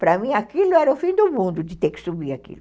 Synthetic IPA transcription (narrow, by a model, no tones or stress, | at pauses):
pɾɐmĩakilʊɛɾɐʊfĩd̪ʊmũnd̪ʊd͡ʒɪt̪ekɪ̥subiakḭlʊ